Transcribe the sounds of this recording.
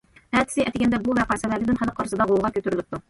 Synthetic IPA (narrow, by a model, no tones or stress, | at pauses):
hæt̪ɪ̥sɪʔɛt̪ɪɡʲɛnd̪ɛbuvɛqɑjsɛlæɾlɪd̪ɪnχæləqːɑɾsɤd̪ɑʁolˠʁɑkʲøt̪yɾylɪp̚t̪u